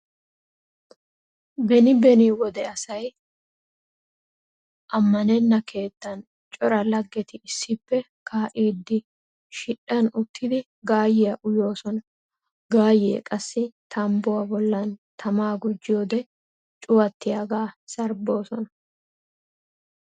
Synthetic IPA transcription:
bɛnɪbɛnɪwɔd̪ɛɐsɐj | ʔɐmːɐnɛnːɐke̞ːt̪ːɐn | t͡ʃʼɔɾɐlɐɡːɛt̪ɪɪsːɪpːɛ | kʰaːʔiːd̪ːɪ | ʃɪɗɐnʊt̪ʰːɪd̪ɪ | ɡaːjɛjɐʔʊjo̞ːsɔnɐ | ɡaːjḛːkʼɐsːɪt̪ʰɐmbʊwɐbɔlːɐnt̪ʰɐmaːɡʊd͡ʒːɪoːd̪ɛ | t͡ʃʼʊwɐt̪ːɪjɐɡaːsɐɾbo̞ːsɔnɐ

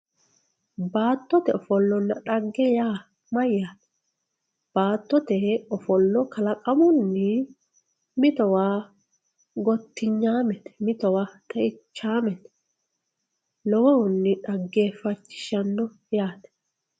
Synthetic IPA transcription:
baːt̪ːɔt̪ɛɔfɔlːɔnːɐᶑɐɡːɛjaː | mɐjːaːt̪ɛ̥ | b̥aːt̪ːɔt̪ɛɔfɔlːɔkɐlɐkʼɐmʊnːɪ | mɪt̪ɔwaː | ɡɔt̪ːɪɲːaːmɛt̪ɛ̥mɪt̪ɔwaːt̪ʼɐɪt͡ʃːaːmɛt̪ɛ̥ | lɔwɐwʊnːɪᶑɐɡːeːfɐt͡ʃːɪ̥ʃɐnːɔ | jaːt̪ɛ̥

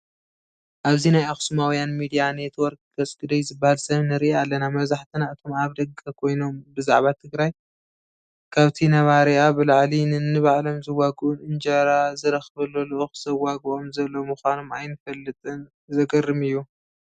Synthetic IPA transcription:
ʔaβzinajaxsumawijanmid̪ijane̞t̪wɔɾk̚ɡɐt͡sʼɡɨd̪ɐjzɨbːahalsɐβnɨɾɨʔalːɐnamɐβzaħt̪ʰɨnaʔɨt̪ʰo̞maβd̪ɐɡʼɐkʰo̞jno̞mbɨzaʕβat̪ʰɨɡɾaj | kʰaβt̪ʰinɐβaɾiabɨlaʕlinɨnːɨβaʕlomzɨwaɡʔunʔɨnd͡ʒɐɾazɨɾɐxβɐloloʔoxz̥ɐwaɡɨʔomzɐlːomuxʷanomajnɨfɐlːɨt̪ʼɨn | zɐɡɐrːɨmɨjːu

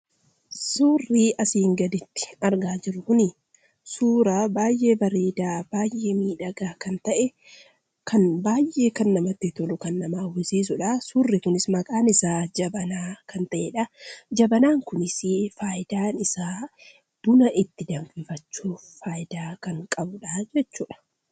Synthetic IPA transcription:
suːrːiːʔɐsiːŋɡɐd̪ɪt̪ːɪ̥ɐɾɡaːd͡ʒɪɾʊkʊnɪ | suːɾabaːjʔːe̞ːbɐɾeːd̪aːb̥aːjːeːmiːᶑɐɡaːkɐnt̪ɐʔɛ | kʰɐnbaːjʔːe̞ːkɐnːɐmɐt̪ːɪt̪ɔlʊkɐnːɐmaːwɪsiːs̬ʊᶑɐsuːrːɪkʊnɪsmɐkʼaːnɪsaːd͡ʒɐbɐnaːkɐnt̪ɐʔeːᶑɐd͡ʒɐbɐnaːŋkʊnɪsɪfaːjɪd̪aːnɪsaː | b̥ʊnɐʔɪt̪ːɪd̪ɐmɡɪfɐt͡ʃːuː | faːjɪd̪aːkɐŋkʼɐbʊᶑad͡ʒɛt͡ʃːuːᶑɐ̥

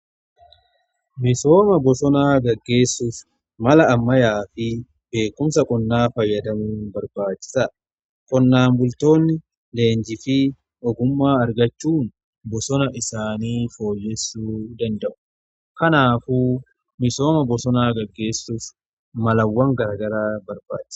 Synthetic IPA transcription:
mɪso̞ːmɐbɔsɔnaːɡɐɡːe̞ːsːʊf | mɐlɐːmːɐjaːfɪ | be̞ːkːʊmsɐkʼɔnːaːfɐjːɐd̪ɐmuːnbɐɾbaːt͡ʃːɪ̥sɐ | kʼɔnːaːmbʊlt̪o̞ːnːɪ | le̞ːɲd͡ʒɪfɪ | ʔɔɡʊmːaːɐɾɡɐt͡ʃːuːn | bɔsɔnɐʔɪsaːniːfo̞ːjːɛsːuːd̪ɐnd̪ɐʔʊ̥ | kɐnaːfuː | mɪso̞ːmɐbɔsɔnaːɡɐɡːe̞ːsːʊf | mɐlɐwːɐŋɡɐɾɐːɡɐɾaːbɐɾba̰ːt͡ʃːɪ̥s

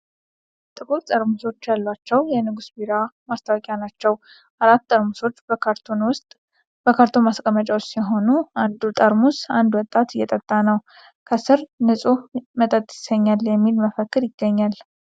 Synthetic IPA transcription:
t̪ʼɨkʼuɾt̪ʼəɾmuso̞t͡ʃːjalːat͡ʃːɛwjɛnɨɡusbiɾamast̪ʰawkʼjanat͡ʃːɛw | ʔaɾat̪ːʼəɾmuso̞t͡ʃːbəkʰaɾt̪ʰonwʊst̪ʼ | bəkʰaɾt̪ʰo̞maskʼəmət͡ʃʼawʊst̪jɛɦo̞nuand̪ut̪ʼəɾmusand̪wɔt̪ʼːat̪ɨjːɛt̪ʼət̪ʼːanəw | kʰəsɨɾnɨsʼumət̪ʼət̪ʼːjɪ̥səɲːaljɛmːilməfəkːɨɾjɪɡːəɲːal

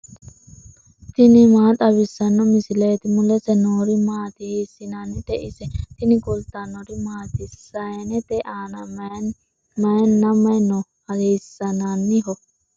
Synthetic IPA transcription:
t̪ɪnɪmaːt̪ʼɐbɪsːɐnːɔmɪsɪleːt̪ɪmʊlɛsɛnoɾimaːt̪ɪhisːɪnanːɪt̪ɛʔɪsɛt̪ɪnɪɡɔlt̪anɔɾimaːt̪ɪsɐɛnɛt̪ɛʔaːnɐm | mɐnːɐmɐnɔ | ɐesːɐnanːɪɦɔ

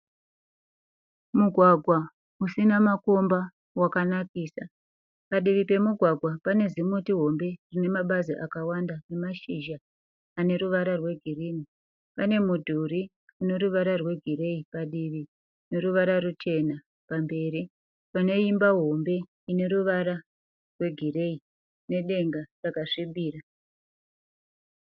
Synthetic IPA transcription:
muɡʱwaɡʱwa | usinamako̞mba | wakanakiːsa | paɗiʋipe̞muɡʱwaɡʱwapane̞zimutiɦo̞mbe̞rine̞maɓaziʔakawandane̞maʃiʒaː | ne̞ɾuʋaɾarwe̞ɡʱiriːni | pane̞mudʱuɾi | une̞ɾuʋaɾarwe̞ɡʱire̞ipaɗiʋi | ne̞ɾuʋaɾarut͡ʃe̞na | pambe̞ːɾi | pane̞imbaɦo̞mbe̞ | ine̞ɾuʋaɾa | rwe̞ɡʱire̞i | ne̞ɗe̞ŋɡarakaʂiɓiːɾa

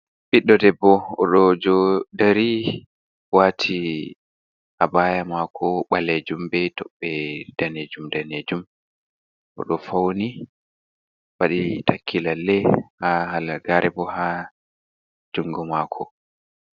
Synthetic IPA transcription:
ɓiɗːɔdɛbːɔɔɗɔd͡ʒɔdaɾi | watʰi | ʔabajamakʰɔɓaled͡ʒumbɛtɔɓːɛd̥aned͡ʒumdaneːd͡ʒum | ʔɔ̰ɗɔfawni | waɗitʰakʰːilalːɛhaɦalaɡaɾɛbɔha | d͡ʒuŋɡɔmakʰɔ

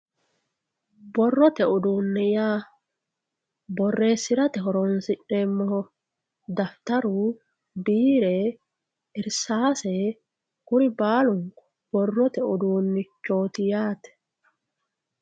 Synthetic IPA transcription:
bɔrːɔt̪ɛʔʊd̪uːnːɛjaː | bɔrːe̞ːsːɪɾɐt̪ɛhɔɾɔnsɪᶑɛmːɔ | d̪ɐft̪ɐɾu | biːɾɛ | ɪɾsaːsɛ | kʊɾɪbaːlʊŋkɔ̥ | b̥ɔrːɔt̪ɛʔʊd̪uːnːɪt͡ʃːo̞ːt̪ɪjaːt̪ɛ̥

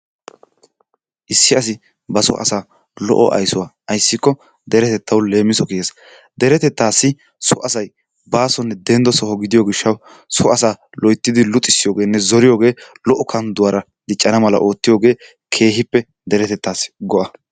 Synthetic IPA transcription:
ʔɪsːɪɐsɪ | bɐsɔ̰ʔɐ̰saː | lɔ̰ʔɔ̰ʔɐ̰jsʊwaː | ɐjsːɪkːɔ | d̪ɛɾɛt̪ɛt̪ʰːɐwle̞ːmːɪsɔkiɡeːs | d̪ɛɾɛt̪ɛt̪ːaːsːɪ | sʊʔɐsɐj | baːsɔnːɛd̪ɛnd̪ɔsɔɦɔɡɪd̪ɪjoːɡɪʃːɐw | sʊɐsaːlɔjt̪ːɪd̪ɪlʊt̪ʼːɪsːɪjoːɡe̞ːnːɛzɔɾɪjo̞ːɡe̞ːlɔʔɔkʰɐnd̪ʊwaːɾɐ | d̪ɪt͡ʃʼːɐnɐmɐlɐ̰ʔo̞ːt̪ːɪjo̞ːɡe̞ː | kʰe̞ːɦɪpːɛ | d̪ɛɾɛt̪ɛt̪ːaːsɡɔʔɐ

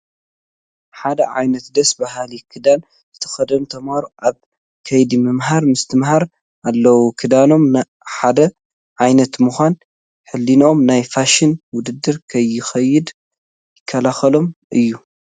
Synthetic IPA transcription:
ħad̪ɐʕa̰jnɐt̪d̪ɐsbaɦalikʰɨd̪an | zɨt̪ʰɐ̥xɐd̪ɐmt̪ʰɐmaɾuʔaβ | kʰɐjd̪imɨmɦaɾmɨst̪ʰɨmhaɾ | ʔalːɐwukʰɨd̪ano̞m | ħad̪ɐ | ʕajnɐt̪muxʷan | ħɨlːino̞mnajfaʃɪnwʊd̪ɨd̪ːɨɾkʰɐjːɪxɐjːɪd̪ | jɪkʰːɐlaxɐlo̞mʔɨjːu

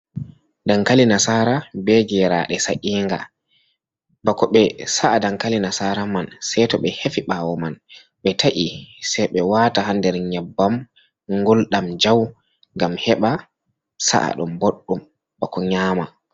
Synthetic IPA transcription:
daŋkalinasaːɾabɛɡɛɾaɗɛsaʔiːŋɡa̰ | bakɔɓɛsaʔadaŋkalinasaːɾamansɛjtɔɓɛhefiɓawɔman | ɓɛtʰaʔisɛjɓɛwaːtahandɛɾɲɛbːam | ŋɡolɗamd͡ʒaw | ŋɡamhɛɓa | sa̰ʔa̰ɗumboɗːum | bakɔɲaːma

